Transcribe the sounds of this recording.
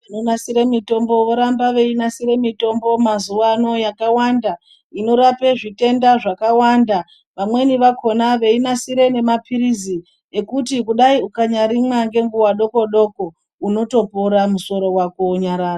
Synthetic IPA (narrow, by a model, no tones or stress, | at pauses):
anonasiɾemito̞mbo̞ʋo̞ɾambaʋe̞inasiɾe̞mito̞mbo̞mazuʋano̞jakawanda | ino̞ɾape̞ʐite̞ndaʐakawanda | ʋamwe̞niʋako̞naʋe̞inasiɾe̞ne̞mapʰiɾizi | e̞kutikuɗaiukaɲaɾimwaŋɡe̞ŋɡuwaɗo̞ko̞ɗo̞ko̞ | uno̞to̞poɾamuso̞ɾo̞wako̞uɲaɾaːro